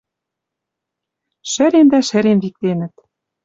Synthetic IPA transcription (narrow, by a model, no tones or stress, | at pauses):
ʃɘ̆ɾend̪æʃɘ̆ɾenvik̚t̪enɘ̆t̪